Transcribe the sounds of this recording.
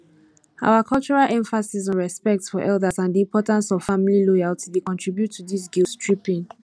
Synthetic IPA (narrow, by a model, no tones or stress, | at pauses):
a̰ʊakʰɔlt͡ʃɔɹalʔɛ̃ɱfasisɔ̃nɹɛspɛk̚tsfɔʔɛldasãndiĩmpʰɔtãnsɔv̥famililɔjaltidekɔ̃ntɹ̥ibjutʰːudis̬ɡilstɹipĩŋ